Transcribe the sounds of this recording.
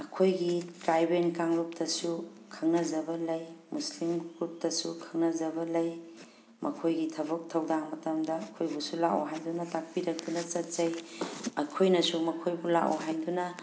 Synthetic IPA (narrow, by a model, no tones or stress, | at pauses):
ɐkʰojɡitɾajbenkaŋɾup̚tɐsukʰɐŋnɐzɐbɐlɐjmuslimɡɾup̚tɐsukʰɐŋnɐzɐbɐlɐj | mʔɐkʰojɡitʰɐbɐk̚tʰɐwdaŋmɐtɐmdɐɐkʰojbusulaʔoɦajdunɐtak̚piɾɐk̚dunɐt͡ʃɐt̚zɐjɐkʰojnɐsumɐkʰojbula̰ʔo̰ɦajdunɐ